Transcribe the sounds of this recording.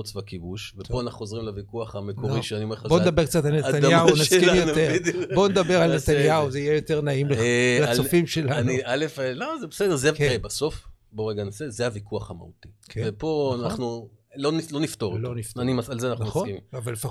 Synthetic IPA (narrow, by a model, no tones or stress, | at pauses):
ot͡svakibuʃvepoanaχnuozʁimlavikuaχamekoʁiʃeaniomeabond̪abe̞ʁk̚t͡sat̪alnet̪anaunaskimjot̪eʁdbo̞ned̪abeʁalnet̪anjauzeijejo̞t̪e̞ʁnaimlelat͡sofimʃelaanialefelozebesed̪ezekebaso̞f | boʁeɡanosezehavikuaχama̰ut̪ikʰevepo̞anaχnu | lonilo̞nift̪oʁlonifanimaalzeanaχnuχokiavalːefa